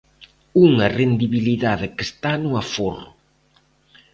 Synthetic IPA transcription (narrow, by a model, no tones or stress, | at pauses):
uŋɐrend̪iβiliðaðɪkest̪anuaforʊ